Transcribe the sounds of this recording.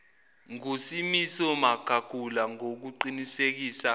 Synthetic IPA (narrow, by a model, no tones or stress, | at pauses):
ŋusimisɔmaɡ̥ʱaɡ̥ʱulaŋok̬uǃinisek̬iːsa